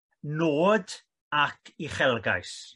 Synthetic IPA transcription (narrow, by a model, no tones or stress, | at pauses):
noːd | akʰiχɛlˠɡa̰js